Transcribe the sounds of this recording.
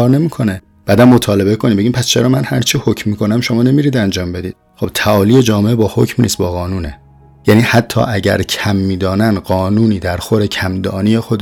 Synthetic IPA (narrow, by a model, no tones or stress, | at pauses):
ɒːɾne̞miːkʰo̞ne | b̥æːd̪æmːot̪ʰɒːle̞be̞kʰonimbeɟimpʰæst͡ʃʰe̞ɾɒːmænhæ̰ɾt͡ʃʰihocmmːiːkʰo̞næmʃomɒːnemiːɾiːd̪ænd͡ʒɒːmbe̞d̪iːd̪̥̚ | xo̞b̥t̪ʰæʔɒːlije̞d͡ʒɒːmeʔebɒːhocʰmnḭːst̪̚bɒːɣɒːnuːne | jæniːhæt̪ʰːɒ̰ːʔæɟæ̰ɾcʰæmːiːd̪ɒːnænɢɒːnuːniːd̪æɾxoɾe̞cʰæmd̪ɒːnije̞xod̪